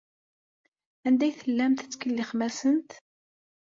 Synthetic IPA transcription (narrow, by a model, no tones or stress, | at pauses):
ænd̪æjθəlːæmt̪ət͡sːkəlːiχmæsənt̪